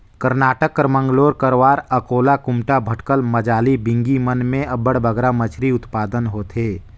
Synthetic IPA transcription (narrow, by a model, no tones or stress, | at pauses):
kəɾnaːʈəkːəɾmə̃ŋɡloːɾkəɾwaːɾəkoːlakʊmʈabʱəʈkəlmɐd͡ʒaːlibɪ̃ŋɡimənmẽɐbəɽbʱəɡɾamət͡ʃʰɾiʊt̪paːd̪ənɦoːt̪ʰeː